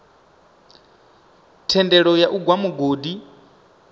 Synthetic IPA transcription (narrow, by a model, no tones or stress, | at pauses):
tʰɛndɛɺɔjaʔuɡwamuɡodi